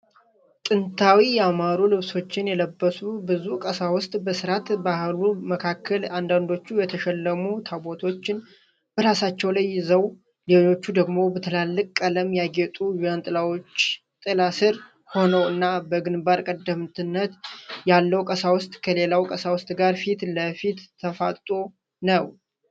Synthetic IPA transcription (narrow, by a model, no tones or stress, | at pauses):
tʼɨnt̪ʰawijɛamaɾulɨβso̞t͡ʃːɪnjɛləbːəsubɨzukʼəsawʊst̪ʼbəsɨɾat̪bahluməkʰakʰːəland̪and̪o̞t͡ʃːujɛt̪ʰəʃɛlːəmut̪ʰabo̞t̪ʰo̞t͡ʃːɪn | bəɾasat͡ʃːɛwlajːɪzəw | leo̞t͡ʃːud̪əɡmo̞bət̪ʰəlalːɨkʼkʼːaləmjaɡet̪ʼujujant̪ʼɨlawo̞t͡ʃː | t̪ʼɨlasɨɾ | ho̞nəwɨnːabəɡɨnbaɾkʼəd̪əmt̪ʰɨnːət̪jalːəwkʼəsawʊst̪ʼkʰəle̞lawkʼəsawʊst̪ʼɡaɾfit̪ləfit̪ʰːəfa̰t̪ʼt̪ʼo̞ | nəw